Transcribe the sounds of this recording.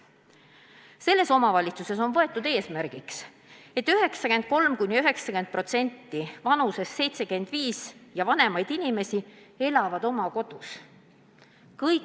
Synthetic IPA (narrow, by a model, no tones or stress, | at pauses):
se̞lːe̞so̞mɑvɑlʲit̪suse̞so̞nvɤe̞t̪ːˑud̪e̞ːsmæɾɡ̥iks | e̞t̪ːˑyɦe̞ksɑke̞nd̪̚ko̞lmkujnʲiyɦe̞ksɑkend̪̥̚pro̞t̪se̞nʲt̪ːivɑnuse̞sːe̞jt̪se̞ɡend̪̥viːsjɑvɑne̞mɑjd̪̥inʲime̞sie̞lɑvɑd̪̥o̞mɑko̞d̪̥us | kɤjk